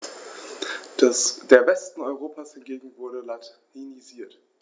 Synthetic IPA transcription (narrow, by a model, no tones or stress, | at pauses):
d̥eːɐbɛstn̩ɔʏʁoːpʰashɪnɡeːɡŋ̩vʊɐɾəlat | iniziːɐt